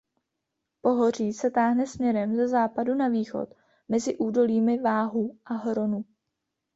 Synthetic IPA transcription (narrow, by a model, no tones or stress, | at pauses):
po̞ɦo̞r̝iːsɛt̪aːɦnɛsmɲɛɾɛmzɛzaːpadunaviːxo̞̰t̪ | mɛzɪʔuːdo̞liːmɪvaːɦuʔaɦɾo̞nu